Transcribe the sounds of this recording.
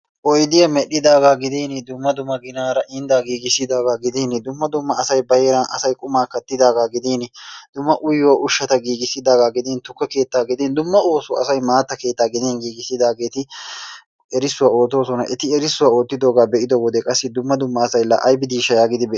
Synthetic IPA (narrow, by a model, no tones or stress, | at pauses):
ʔɔjd̪ɪjɐmɛɗɪd̪aːɡaːɡɪd̪iːnɪd̪ʊmːɐd̪ʊmːɐɡɪnaːɾɐʔɪnd̪aːɡiːɡɪsːɪd̪aːɡaːɡɪd̪iːnɪd̪ʊmːɐd̪ʊmːɐːsɐjbɐjeːɾɐnʔɐ̰sɐjkʼʊmaːkɐt̪ːɪd̪aːɡaːɡɪd̪iːnɪd̪̥ʊmːɐʔʊjoʔʊʃːɐt̪ɐɡiːɡɪsːɪd̪aːɡaːɡɪd̪iːnt̪ʊkːɛke̞ːt̪ːaːɡɪd̪ɛnd̪ʊmːɐo̞ːsʊɐ̰sɐjmaːt̪ːɐke̞ːt̪ːaːɡɪd̪ɛnɡiːɡɪsːɪd̪aːɡeːt̪ɪ | ɛɾɪsːʊwɐo̞ːt̪o̞ːsɔnɐ̰ʔɛt̪ɪɛɾɪsːʊwɐo̞ːt̪ːɪd̪oːɡaːbɛʔɪd̪owɔd̪ɛkʼɐsːɪd̪ʊmːɐd̪ʊmːɐːsɐjlɐ̰ʔɐjbɪd̪iːʃɐjaːɡɪd̪ɪbɛ